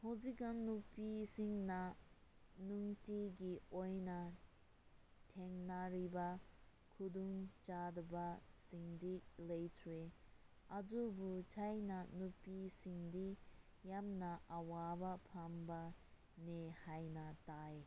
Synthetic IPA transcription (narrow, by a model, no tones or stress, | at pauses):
hɔzikanupisiŋna | nuŋtiɡiojna | tʰeŋnaɾiba | kʰud̪uŋt͡ʃadɯbasiŋdilejtʰuwe | ʔazubutʰajnanupisiŋdi | jamnaʔawabapʰamba | nehajnataj